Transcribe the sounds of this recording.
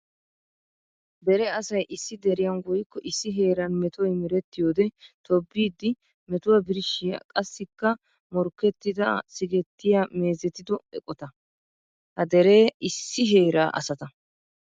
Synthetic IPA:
bɛɾɛɐsɐjʔɪsːɪd̪ɛɾɪjɐnɡɔjɪkːɔʔɪsːɪɦe̞ːɾɐnmɛt̪ʊwɔjmɪɾɛt̪ːɪjoːd̪ɛt̪ʰɔbːiːd̪ːɪ | mɛt̪ʊwabɪɾʃːɪjɐ̰kʼɐsːɪkːɐ | mɔɾkːɛt̪ːɪd̪ɐsɪɡɛt̪ːɪjaːme̞ːzɛt̪ɪd̪ɔɛ̰kʼɔt̪ɐ | hɐd̪ɛɾe̞ːɪsːɪɦe̞ːɾaːʔɐ̰sɐt̪ɐ

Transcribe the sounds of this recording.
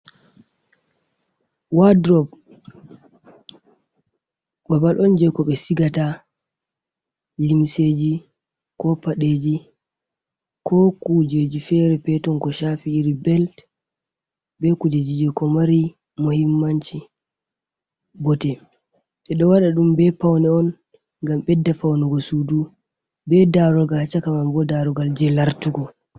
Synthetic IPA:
wadɾɔb | babalʔɔnd͡ʒɛkɔɓɛsiɡata | limseːd͡ʒi | kɔpaɗeːd͡ʒi | kʰɔkud͡ʒeːd͡ʒifɛɾɛpɛtɔnkɔʃafiːɾibɛlt | bɛkuded͡ʒid͡ʒɛkɔmaɾi | mohimːaɲt͡ʃi | bɔtɛ | ɓɛɗɔwaɗaɗumbɛpawnɛɔn | ɡambɛdːafawnɛɡɔsudu | bɛdaɾɔɡaat͡ʃːakamambɔdaɾɔɡald͡ʒɛlaɾtuɡɔ

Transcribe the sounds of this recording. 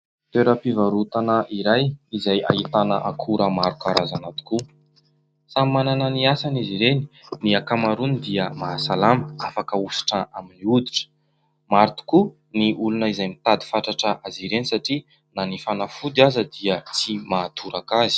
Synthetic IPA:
t̪eɾəpivaɾut̪anəʔiɾajizaja̰ɦit̪anəʔakʰuɾəmaɾukaɾazanat̪u̥ku | sammananəniasaniziɾeni̥niakamaɾunid̪iəmasalaməafakəusi̥ʈ͡ʂəʔaminiud̪i̥ʈ͡ʂə̥ | maɾit̪u̥ku | niʔulunəizajmit̪ad̪i̥faʈ͡ʂaʈ͡ʂəʔaziɾenisaʈ͡ʂi | nanifanafud̪iazəd̪iət͡simaːt̪ʰuɾakazi̥

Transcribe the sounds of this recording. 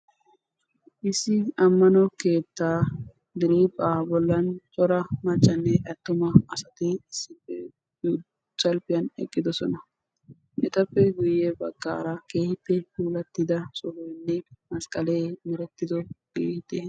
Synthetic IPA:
ʔɪsːɪɐmːɐnɔke̞ːt̪ːaː | d̪ɪɾipʼaːbɔlːɐnt͡ʃʼɔɾɐmɐt͡ʃʼːɐnːɛʔɐt̪ːʊmɐɐsɐt̪ɪɪsːɪpːɛ | u | t͡ʃʼːɐlpɪjɐnɛ̰kʼːɪd̪ɔsɔnɐ | ʔɛt̪ɐpːɛɡʊjːɛbɐɡ̥ːa̰ːɾɐke̞ːhɪpːɛpuːlɐt̪ːɪd̪ɐsʼɔhɔjnːɛmɐskʼɐleːmɛɾɛt̪ːɪd̪ɔɡeːhɪt̪ɛ

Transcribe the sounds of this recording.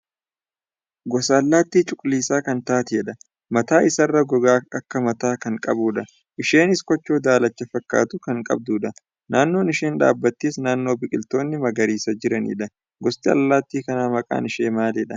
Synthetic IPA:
ɡɔsɐːlːaːt̪ːiːt͡ʃʼʊkʼliːsaːkɐnt̪aːt̪ɪɛᶑɐ | mɐt̪aːʔɪsɐrːɐɡɔɡaːɐkːɐmɐt̪aːkɐŋkʼɐ̰buːᶑɐ | ʔɪʃe̞ːnɪskɔt͡ʃːo̞ːd̪aːlɐt͡ʃːɐfɐkːa̰ːt̪ʊkɐŋkʼɐ̰b̚d̪uːᶑɐ | naːnːo̞ːnɪʃeːnᶑa̰ːbːɐt̪ːeːsnaːnːo̞ːbɪkʼɪlt̪o̞ːnːɪmɐɡɐɾiːsɐd͡ʒɪɾɐnḭːᶑɐ | ɡɔst̪ɪɐ̰lːaːt̪ːiːkɐnaːmɐkʼa̰ːnɪʃeːmaːlɛᶑɐ

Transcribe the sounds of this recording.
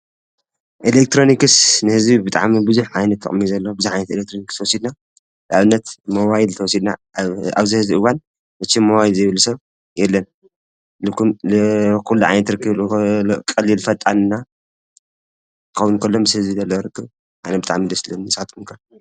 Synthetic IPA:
ʔelek̚t̪ʰɾo̞nikɨsnɨhɨzbibɨt̪ʼa̰ʕmibɨzuħʕajnɐt̪ʰːɨ̰χʼɨmːizɐlːɐbɨzijʕajnɐt̪elek̚t̪ʰɾonikst̪ʰɐwɔsid̪na | lʔaβɨnːɐt̪moβajilt̪ʰɐwɔsid̪na̰a̰βzihɨzbiʔɨβan | bɨt͡ʃːimoβajilzjβlusɐβ | jɛlːɐn | lɨkːum | kʰulːuʕa̰jnɐt̪ɾɨkʰːɨβkʼɐlːilfɐt̪ʼanɨnːa | kʰɐwunkʰɐlːomɨshɨzbizɐlːɐwoɾɨkʰːɨβ | ʔajnɐbɨt̪ʼa̰ʕmid̪ɐslɐnɨsat̪ʼmunkʰɐ

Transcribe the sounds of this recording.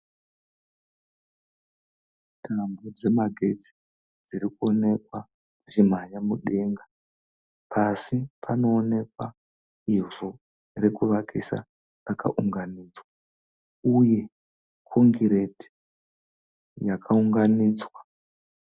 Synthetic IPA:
tʰambod͡ze̞maɡʱe̞d͡zi̥ | d͡ziɾikuo̞ne̞kwa | d͡zit͡ʃim̤ajamuɗe̞ŋɡa | pʰasipʰano̞ːne̞kwa | ivu | re̞kuʋakʰisa̰ | rakaʔuŋɡaniːd͡zwa | uje̞ | kʰoŋɡiɾe̞ti̥ | jakʰauŋɡaniːd͡zwa

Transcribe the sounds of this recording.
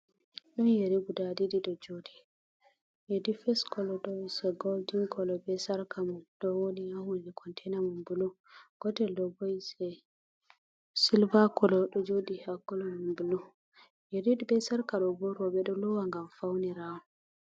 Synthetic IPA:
ɗɔnjeɾibudadidiɗɔd͡ʒodi | jedifɛskɔlɔɗɔwsɛɡoldiŋkɔlɔbɛsaɾkʰamɔɗɔwonijahundɛkʰɔntʰɛjnamumbulu | ɡ̥ɔtɛldɔbɔjsɛ | silvakɔlɔɗɔd͡ʒodihakːɔlɔmumbulu | jeɾiɗibɛsaɾkaɗɔbɔɾɔbɛɗɔlɔwaŋɡamfawnɛɾawɔ

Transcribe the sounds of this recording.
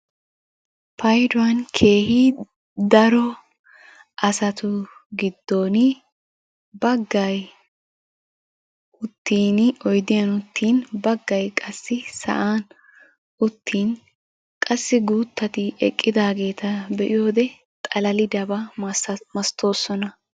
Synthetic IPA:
pʰɐjd̪ʊɐnkʰe̞ːhi | d̪ɐɾɔ | ʔɐsɐt̪ʊɡɪd̪ːo̞ːnɪ | bɐɡːɐj | ʊt̪ʰːiːnɔjd̪ɪjɐnʊt̪ʰːiːnbɐɡːɐjkʼɐsːɪsɐ̰ʔaːn | ʔʊt̪ʰːiːn | kʼɐsːɪɡuːt̪ːɐt̪ɪʔɛkʼːɪd̪aːɡe̞ːt̪ɐbɛʔɪjo̞ːd̪ɛ | t̪ʼɐlɐlɪd̪ɐbɐ | mɐst̪ʰo̞ːsːɔnɐ

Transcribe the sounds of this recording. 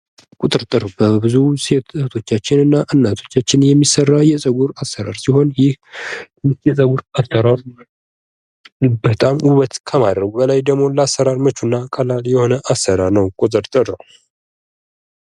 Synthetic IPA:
kʼut̪ʼɨɾt̪ʼɨɾbəbɨzuset̪ʰo̞t͡ʃːat͡ʃːɪnɨnːaʔɨnːat̪ʰo̞̥t͡ʃːat͡ʃːɪnjɛmːisərːajɛsʼəɡuɾasːəɾa̰ɾsiho̞njɪh | nɨst̪jɛsʼəɡuɾasəɾaɾ | bət̪ʼamuβət̪kʰəmad̪ɾəβubəlajd̪əɡmo̞ləasːəɾaɾmət͡ʃːunːakʼalaljɛho̞nəʔasəɾaɾnəwkʼot̪ʼɨɾt̪ʼɨɾə

